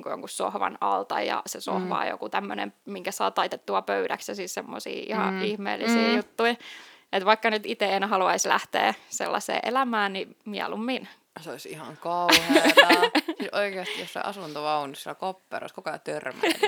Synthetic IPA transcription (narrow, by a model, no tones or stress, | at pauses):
ŋkujo̰ŋkussohʋɑ̰nɑlt̪ɑjɑ̰sesohʋɑ̰ːjo̰kut̪æmːønḛmmiŋkæsɑːt̪ɑit̪et̪ːuɑpøyɾæksjɑsissemːosḭːʔihɑ̰ihmḛːlːisiːjut̪ːuiʔet̪ʋɑikːɑnyt̪it̪eenhɑluɑislæht̪ḛːsḛlːɑsḛːʔelæmæːnnimiælumːin | seoisḭhɑŋkɑuhe | sisʔoikeɑst̪ijosːɑ̰iʔɑsunt̪oɑunːissilkopːḛro̰iskukɑot̪ørmæn